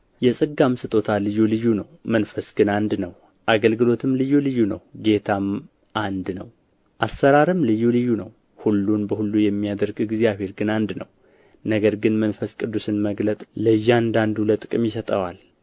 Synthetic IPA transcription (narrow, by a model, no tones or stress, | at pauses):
jɛsʼɨɡːamsɨt̪ʼo̞t̪ʰalɨjːulɨjːunəwmənfəsɡ̥ɨnand̪nəw | ʔaɡəlɡɨlo̞t̪ʰɨmlɨjːulɨjːunə̰wɡe̞t̪ʰam | ʔand̪nəw | ʔasːəɾaɾɨmlɨjːulɨjːunəw | hulːunbəhulːujɛmːijad̪əɾɡɨɡzijaβe̞ɾɡɨnand̪nə̰w | nəɡəɾɡɨnmənfəskʼɨd̪ːusɨnməɡlət̪ʼləjːand̪and̪ulət̪ʼɨkʼɨmjɪsət̪ʼəwal